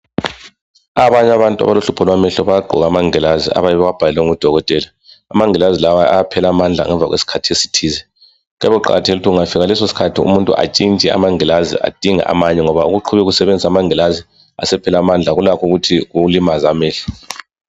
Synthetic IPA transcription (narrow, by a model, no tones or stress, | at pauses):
aβaɲaβantʼua̰βaluɬupʰɔlwamɛɬɔβajaɡ͡ǃʱɔ̰ɣamaŋɛlazḭʔa̰βajɛβɛwab̥ʱalɛlwɛŋud̥ʱɔɣɔtʼɛlaː | maŋɛlazilawaaapʰɛlamand͡ɮʱa̰ŋɛɱva̰ɣwḛsi̥kʰatʰiesi̥tʰiːzɛ | ɣɛβɛǃa̰ɣatʰeliutʰiɣuŋafiɣalɛsosi̥kʰatʰiṵmuntʼṵʔa̰t͡ʃʼint͡ʃʼia̰maŋɛlazḭʔa̰d̥ʱiŋa̰ʔa̰maɲɛŋɔβauɣuǃʰuβɛɣusɛβend͡zʱisamaŋɛlazi | a̰sɛpʰɛlamand͡ɮʱaɣulakʰuɣutʰiɣuulimazamɛːɬɔ̥